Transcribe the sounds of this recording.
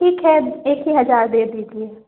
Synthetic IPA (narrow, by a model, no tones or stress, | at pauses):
iːkɦɛeːkɦiɦɐzaːɾd̪eːd̪iːd͡ʒie